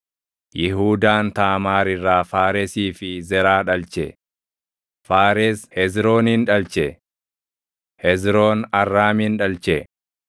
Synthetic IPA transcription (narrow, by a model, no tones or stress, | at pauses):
jɪɦuːd̪aːnt̪aːmaːɾɪrːaːfaːɾɛsiːfɪzɛɾaːᶑɐlt͡ʃɛ | faːɾeshɛzɾo̞ːnhɪnᶑɐlt͡ʃɛ | hɛzɾo̞ːnɐrːaːmɪnᶑɐlt͡ʃɛ